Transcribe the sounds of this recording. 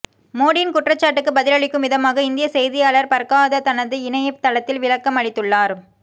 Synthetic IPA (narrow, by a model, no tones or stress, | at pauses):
moːɽɪnkʊʈrɐt͡ʃːaːʈːɯkːɯbɐðɪlɐɭɪkːɯmʋɪðɐmaːɣɐɪnd̪ɪjɐsɛjðɪjaːɭɐɾpɐɾkaːðɐt̪ɐnɐðɯɪnɐjɐt̪ɐɭɐt̪ːɪlʋɪlɐkːɐmɐɭɪt̪ːɯɭːaːɾ